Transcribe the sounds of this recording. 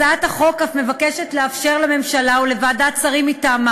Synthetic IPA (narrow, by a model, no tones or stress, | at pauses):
at̪aχo̞kafme̞vakeʃetleafʃe̞ʁlame̞mʃalaule̞vad̪at͡saʁimitama